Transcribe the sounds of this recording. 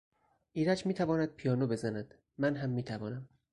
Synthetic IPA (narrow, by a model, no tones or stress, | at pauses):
ʔiːɾæd͡ʒmiːt̪ʰævɒːnæd̪̥̚pʰijɒːnobe̞zænæd̪̥ | mænɦæmːiːt̪ʰævɒːnæm